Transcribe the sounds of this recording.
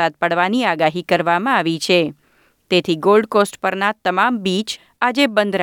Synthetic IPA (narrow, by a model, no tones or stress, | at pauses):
at̪̚pəɽʋaniaɡaɦikəɾʋamãaʋit͡ʃʰe | t̪et̪ʰiɡolɖkosʈpəɾnat̪əmambit͡ʃ | ad͡ʒebənd̪ɾ